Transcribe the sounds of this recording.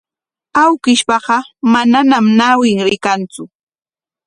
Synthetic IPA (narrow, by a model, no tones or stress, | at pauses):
awkɪʃpɑɢɑmananamnawɪŋɾɪkant͡sʊ